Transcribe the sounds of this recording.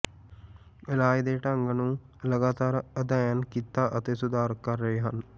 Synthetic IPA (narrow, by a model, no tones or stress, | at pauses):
elaːjd̪eːʈəɐŋɡənuː | lɐɡaːt̪aːɾəd̪ajankit̪ːaːʔət̪esud̪aːɾkɐɾːɐjɦan